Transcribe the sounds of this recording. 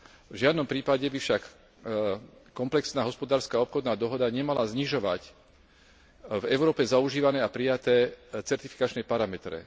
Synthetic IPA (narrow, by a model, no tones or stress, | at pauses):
vʒɪad̪nɔmpɾiːpaɟɛbifʃak | ɔmplɛksnaːɦɔspɔd̪aːɾskaːɔpxɔd̪naːd̪ɔɦɔd̪aɲɛmalazɲiʒɔʋa̰c | vɛʊɾɔːpɛzauʒiːʋanɛːapɾijat̪ɛːt͡sɛɾt̪ifi̥kat͡ʃnɛjpaɾamɛt̪ɾɛ̰